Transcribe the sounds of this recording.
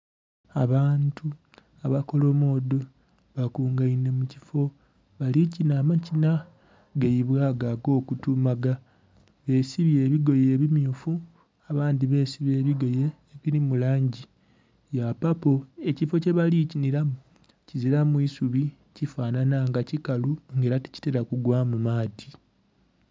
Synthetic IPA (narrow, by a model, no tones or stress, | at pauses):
a̰βaːntu | aβako̞lo̞mo̞ːdo̞ | βakuːŋɡaine̞mucifo̞ | βalicinaːmacina | ɡejiβwaːɡaɡo̞ːkutumaɡa | βe̞ːsiβje̞ːβiɡo̞jeːβimjufu | aβaːndiβe̞siβje̞ːβiɡo̞je̞ːβiɾimulaːɲɟi | japapo̞e̞cifo̞ce̞βaliciniɾamu | ciziɾamwuisuβi | cifaːnanaŋɡacikaluŋɡeːɾati̥ci̥teɾakuɡwaːmumaːti